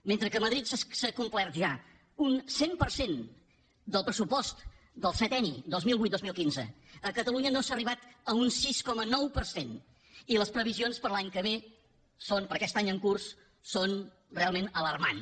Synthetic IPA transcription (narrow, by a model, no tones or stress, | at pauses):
ment̪ɾəkəməðɾit̪ssəkumplɛɾt̪ʒa | unsempəɾsen | d̪əlˠpɾəsupɔst̪ | d̪əlˠsɛt̪ɛnid̪ozmilˠβut̪d̪ozmilˠkinzə̰əkət̪əluɲənosaəriβ̞at̪əunsiskɔmənɔwpəɾsen | iləspɾəβizionspəɾlaɲkəβ̞e | sonpəɾkɛst̪aɲəŋkursː | on | realˠmenələrma̰n